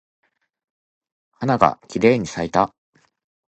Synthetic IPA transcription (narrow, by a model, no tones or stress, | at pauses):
hanaɡa̰kʲiɾe̞ːɲ̟isait̪a